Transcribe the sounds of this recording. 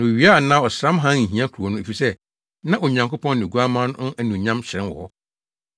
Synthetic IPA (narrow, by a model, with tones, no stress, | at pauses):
nã˨o˨ɥi˨˦a˦˨nã˦˨ɔ˨sɾã˦mɦã˦ŋ̩˨ɦĩ˨˦ã˦kʰu˨ɾɔ˨nʊ̃˦e˨fi˨sɛ˦ | nã˦ʔo˨ɲã˨ŋkʰo˦pʰɔ̃˦nː˦ɪ˨ɡu˦a˦mã˦n˦ʊ̃˦ʔæ˨nũ˨ɲã˦mɕɾɛ̃˦nwɔ̰˨hɔ˦